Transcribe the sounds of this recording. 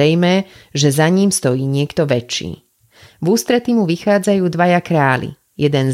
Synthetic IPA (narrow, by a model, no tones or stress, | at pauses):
ɛjmɛʒɛzaɲiːmst̪ɔjiːɲɪɛkt̪ɔʋɛt͡ʃːḭː | vuːst̪ɾɛt̪imuʋixaːd͡zajuːd̪ʋajakɾaːlḭ | jɛd̪ɛn